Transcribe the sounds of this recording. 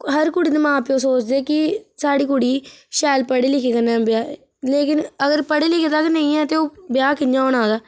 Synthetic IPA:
ɦəɾkʊɽiːd̪eːmãːpjõːsoːt͡ʃd̪eːkɪsaːɽiːkʊɽiːʃɛːlpəɽeːlɪkʰeːkənːɛ̃ːbjaː | leːkɪnəɡəɾpəɽeːlɪkʰeːt̪aːknə̃ĩːɛ̃ːt̪eːoːbɪjaːkɪɲjãːoːnãːd̪aː

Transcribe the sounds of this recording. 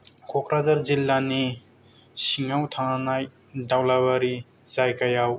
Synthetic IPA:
kʰɔkʰɾazaɾzilːani | siŋawtʰaŋanaj | dawlaβaɾi | zajkajaw

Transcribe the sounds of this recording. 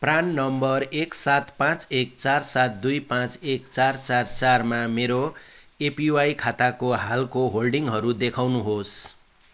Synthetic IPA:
pranːʌmbʌreksat̪pãt͡sekt͡sarsat̪̚d̪ujpãt͡sekt͡sart͡sart͡sarmameɾo | epiwajkʰat̪akoɦalkoɦolɖiŋɦʌɾud̪ekʰawnuɦos

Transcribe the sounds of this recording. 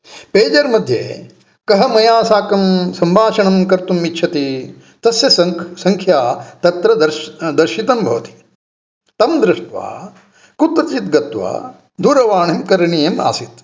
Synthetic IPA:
peːd͡ʒɐɾmɐd̪ʱjḛː | kɐɦɐmɐjaːsaːkɐmsɐmbʱaːʃɐɳɐmkɐɾt̪umːitːʃʰɐt̪i | t̪ɐsjɐssɐŋkʰjaːt̪ɐt̪ɾɐd̪ɐɾd̪ɐɾʃit̪ɐmbʱɐʋɐt̪i̥ | t̪ɐmd̪ɾɪʂʈʋa̰ː | kut̪ɾɐt͡ʃit̪ɡɐt̪ʋa̰ː | d̪ʱuːɾɐʋaːɳemkɐɾɐɳijɐma̰ːsit̪

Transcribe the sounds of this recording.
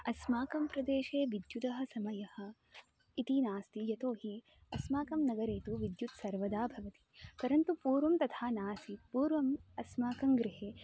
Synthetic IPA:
ɐsmaːkɐmpɾɐd̪eːʃeːʋid̪jud̪ɐɦɐ̆sɐmɐjɐhɐ̆ | it̪inaːst̪ijɐt̪oːɦi | ɐsmaːkɐmnɐɡɐɾeːt̪uʋid̪jut̪sɐɾʋɐd̪aːbʱɐʋɐt̪i̥pɐɾɐnt̪upuːɾʋɐmt̪ɐt̪ʰaːnaːsipuːɾʋɐmɐsmaːkɐŋɡɾiɦeː

